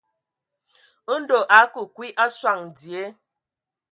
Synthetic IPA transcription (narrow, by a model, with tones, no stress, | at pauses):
n̩˦do˨ʔa˨˦ku˨kwi˦ʔa˦swa˨ŋ̩˨di˨e˦